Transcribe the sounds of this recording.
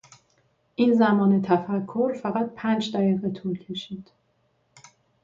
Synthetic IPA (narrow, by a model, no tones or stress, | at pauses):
ʔiːnzæmɒːne̞t̪ʰæfækʰːolfæɣæt̪̚pʰæːnd͡ʒd̪æɣiːɣe̞t̪ʰuːlcʰe̞ʃiːd̪̥